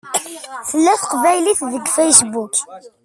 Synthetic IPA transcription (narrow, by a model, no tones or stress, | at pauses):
θəlːæθəqvæjliθðəɡfejsbuk